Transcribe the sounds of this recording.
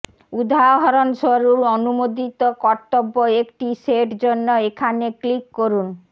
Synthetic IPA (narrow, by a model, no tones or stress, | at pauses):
ud̪ʱaɦɔɾonʃoɾuɾonumod̪it̪okɔɾt̪obːoekʈiseʈd͡ʑonːoekʰaneklikːoɾun